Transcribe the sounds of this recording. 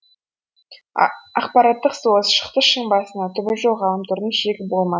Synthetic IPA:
ɑqpɑɾɑt̪ːəqsoəzʃə̥̆qt̪əʃəŋbɑsənɑt̪ʰʏbɪɾʒowʁɑlˠəmt̪ʰʊɾd̪ənʃeɡʲɪp̚bolˠmɑ

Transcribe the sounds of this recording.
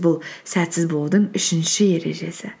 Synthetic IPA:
bʊlˠsæt̪sɪzbo̞lˠd̪əɴʏʃɪnʃɪje̞ɾe̞̰ʒe̞sɪ

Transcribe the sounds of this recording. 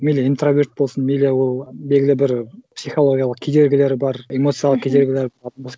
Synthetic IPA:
mʲeleint̪rovʲeɾt̪̚bo̞lˠsənmʲelewolˠbelʲɡʲɪlʲɪbɪɾpsʲijχolˠoɡʲijalˠəq̚kʲʰed̪e̞ɾɡʲɪle̞ɾɪbɑɾemo̞t̪sɨjalˠəqkʰʲed̪e̞ɾɡʲɪlʲeɾb̪nbos

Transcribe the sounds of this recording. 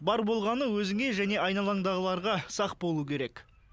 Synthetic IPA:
bɑɾbo̞lˠʁɑnəwɵzɪŋe̞ʒæne̞ɑjnɑlˠɑɴd̪ɑʁəlˠɑɾʁɑsɑqbo̞lˠukʲʰe̞ɾe̞k

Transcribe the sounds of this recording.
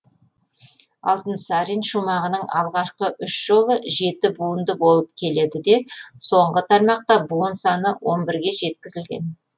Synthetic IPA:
ɑ̰lˠt̪ənsɑɾinʃumɑʁənəɴɑlˠʁɑʃqəʔʏʃʒ̥o̞lˠəʒe̞t̪ɪbuənd̪əbo̞lˠəp̚kʲʰe̞le̞d̪ɪd̪e̞so̞ɴʁət̪ʰɑɾmɑq̚t̪ɑbunsɑnəwo̞nbɪɾɡʲe̞ʒe̞t̪kʲɪzɪlɡʲe̞̰n

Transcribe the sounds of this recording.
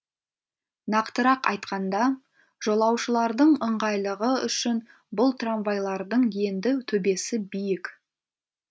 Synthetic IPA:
nɑqt̪əɾɑqɑ̰jt̪qɑnd̪ɑ | ʒ̥o̞lˠɑwʃəlˠɑɾd̪əɴəɴʁɑjlˠəʁəʏ̰ʃɪn | bʊlˠt̪ranvajlˠɑɾd̪əɴje̞nd̪ɪt̪ʰɵbe̞sɪbijɪk

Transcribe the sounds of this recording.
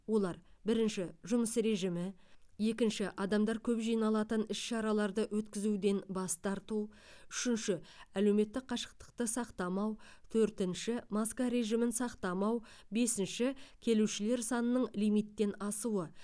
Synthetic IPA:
wo̞lˠɑɾbɪɾɪnʃɪʒʊməsɾe̞ʒimɪ | je̞kʲɪnʃɪʔɑd̪ɑmd̪ɑɾkʲʰɵpʒijnɑlˠɑt̪ənɪsʃɑɾɑlˠɑɾd̪əwɵt̪kʲɪzud̪e̞nbɑst̪ɑɾt̪u | ʏʃɪnʃɪælewme̞t̪ːɪk̚qʰɑʃə̥q̚t̪ə̥q̚t̪əsɑqt̪ɑmɑw | t̪ʰɵɾt̪ɪnʃɪmɑskaɾe̞ʒimɪnsɑqt̪ɑmɑw | be̞sɪnʃɪkʲʰe̞luʃɪle̞ɾsɑnənəɴlijmijt̪ːe̞nɑsuwə

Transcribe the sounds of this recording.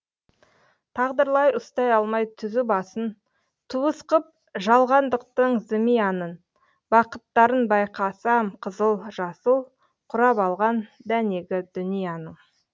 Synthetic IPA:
t̪ʰɑʁd̪əɾlˠɑjʔʊst̪ɑjɑlˠmɑjt̪ʰʏzɪbɑsən | t̪ʰuəsqəp̚ | ʒɑlˠʁɑnd̪əq̚t̪əɴzɪmijɑnən | bɑqət̪ːɑɾənbɑjqɑsɑmqʰəzəlˠʒɑsəlˠ | qʰʊɾɑpɑlˠʁɑnd̪æne̞ɡʲɪd̪ʏnijɑnəɴ

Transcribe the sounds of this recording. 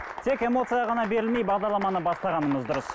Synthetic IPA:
t̪ʰe̞ke̞mo̞t̪sɨjɑʁɑnɑbe̞ɾɪlme̞jbɑʁd̪ɑɾlˠɑmɑnəbɑst̪ɑʁɑnəməzd̪ʊɾəs

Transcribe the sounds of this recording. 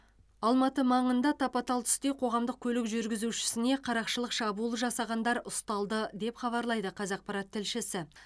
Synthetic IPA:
ɑlˠmɑt̪əmɑɴənd̪ɑt̪ʰɑpɑt̪ɑlˠt̪ʰʏ̥st̪ejqʰo̞ʁɑmd̪əq̚kʲʰɵlɪkʒʏɾɡʲɪzuʃɪ̥sɪne̞qʰɑɾɑqʃəlˠəqʃɑbulˠəʒɑsɑʁɑnd̪ɑɾʊst̪ɑlˠd̪əd̪e̞pχɑβɑɾlˠɑjd̪əqʰɑzɑq̚pɑɾɑt̪ʰːɪlʃɪsɪ

